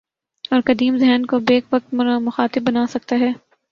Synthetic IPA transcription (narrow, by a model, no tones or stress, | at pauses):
ɔːɾkɐd̪iːmzɛɦnkobeːkʋɐk̚t̪mʊxaːt̪ɪbːɐnaːsɐk̚t̪aɦɛː